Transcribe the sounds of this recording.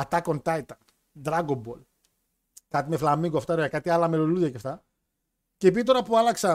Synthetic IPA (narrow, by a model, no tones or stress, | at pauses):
ɐt̪ɐkont̪ɐit̪ɐ | d̪ɾaɡombol | kat̪imeflamiŋɡoaft̪ɐɾakat̪ialɐmeloluðɐcaft̪ɐ | cep̬it̪o̞ɾɐpuɐlɐksɐ